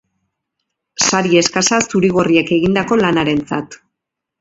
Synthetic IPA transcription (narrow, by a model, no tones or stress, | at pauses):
saɾie̞skasasuɾiɣ̞o̞rie̞ke̞ɣind̪ako̞lanaɾe̞nt͡sa̰t̪